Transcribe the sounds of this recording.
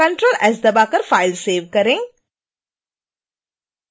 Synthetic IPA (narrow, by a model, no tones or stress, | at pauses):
ɐ̃ɳʈɾoːlɛːzd̪ɐbaːkəɾfaːɪlseːʋkɐɾẽ